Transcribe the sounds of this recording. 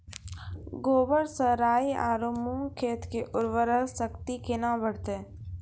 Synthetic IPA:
ɡoːbəɾsəɾaːia̰ːɾoːmuːŋkʰeːt̪keʔʊɾʋəɾəlsəkt̪ikenabəɽ̤t̪e

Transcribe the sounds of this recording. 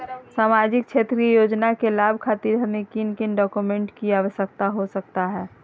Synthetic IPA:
saːmad͡ʒɪk̚t͡ʃʰeːt̪ɾiəjoːd͡ʒnakelaːbʱkʰaːt̪iɾəɦnekinkɪnɖɔːkumẽɳʈkiaːʋəʃjək̚t̪aɦosək̚t̪aɦɛː

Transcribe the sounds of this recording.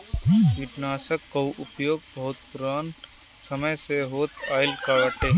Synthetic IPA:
ʋɪʈnaːsəkːəwʔʊpjoːɡ̚bɐɦʊt̪̚pʊɾaːn | səməjseɦoːt̪ʰaːɪlkaːʋəʈeː

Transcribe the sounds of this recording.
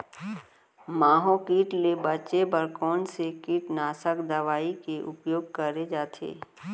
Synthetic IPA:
maːɦõkiːʈlebət͡ʃebəɾkɔːnsekiːʈnaːsəkd̪əʋaːikeʔʊpjoːɡ̚kəɾed͡ʒaːt̪ʰḛː

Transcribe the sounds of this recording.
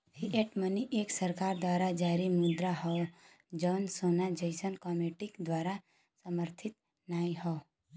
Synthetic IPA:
hiʔeʈməniʔeksəɾkaːɾd̪wʋaːɾad͡ʒaːɾimʊd̪ɾaɦɔ | d͡ʒɔnsonad͡ʒəjsənkɔmeʈɪkd̪ʋaːɾa | səməɾt̪ʰɪt̪ | naːihɔ

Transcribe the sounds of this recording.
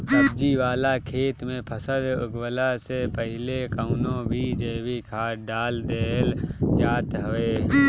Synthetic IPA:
əbd͡ʒiʋaːlakʰeːt̪mẽpʰəsəlʊ̰ɡwəlasepəɦɪlekaʊnõbʱid͡ʒeːwikʰaːɖaːld̪eld͡ʒaːt̪ɦoeː

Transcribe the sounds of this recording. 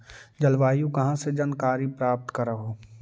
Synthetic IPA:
d͡ʒɐlʋaːjũkɐɦãsed͡ʒankaːɾipɾaːp̚t̪kɐɾaɦoː

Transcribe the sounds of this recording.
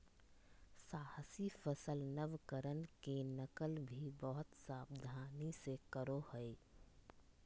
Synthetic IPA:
saːhəsifəsəlnəʋkəɾənkenəkəlbʱibɔɦʊt̪saːbd̪ʱaːnisekəɾohəe

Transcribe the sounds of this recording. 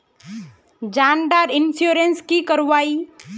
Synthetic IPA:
d͡ʒaːnɖaːɾɪnsuɾenskikəɾʋaːi

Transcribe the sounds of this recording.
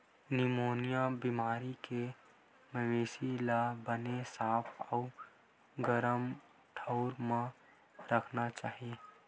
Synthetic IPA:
nɪmoːnijabimaːɾike | məʋeːsilabənesaːpʰɔʊ | ɡəɾəm | ʈʰəʊɾmã | ɾəkʰnat͡ʃaːɦie

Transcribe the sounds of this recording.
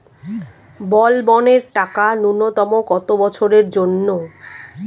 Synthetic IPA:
bɔlbɔneɾʈakanunot̪ɔmokɔt̪obɔt͡ɕʰoɾeɾd͡ʑonːo

